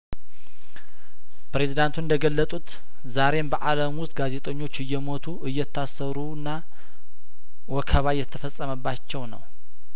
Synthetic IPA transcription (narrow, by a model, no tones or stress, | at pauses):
pɾe̞zid̪ant̪ʰunɨnd̪əɡəlːət̪ʼut̪ | zaɾe̞mbəʔaləmwʊst̪ʼɡaze̞t̪ʼəɲːo̞t͡ʃːɨjːɛmo̞t̪ʰuʔɨjːɛt̪ʰːasːəɾunːa | wɔkʰəβajɛt̪ʰːəfəsʼəməbːat͡ʃːɛwnə̰w